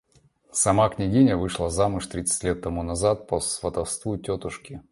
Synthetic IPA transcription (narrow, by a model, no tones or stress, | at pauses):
sɐmaknʲɪɡʲinʲəvɨʂlˠəzamʊʂt̪ɾʲit̪sɨ̥tʲlʲe̞t̪ːɐmunɐzat̪̚pəsvət̪ɐfst̪vutʲot̪ʊʂkʲɪ